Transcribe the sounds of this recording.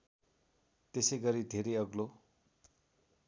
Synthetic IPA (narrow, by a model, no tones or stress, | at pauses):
t̪esʌjɡʌɾid̪ʱeɾejʌɡlo